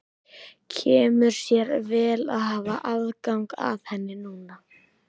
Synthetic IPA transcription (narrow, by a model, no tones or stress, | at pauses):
cʰɛːmʏɾ̥sjɛɾvɛːla̰ðɦaːvaʔaðkawŋka̰ðhɛnːɪnuːna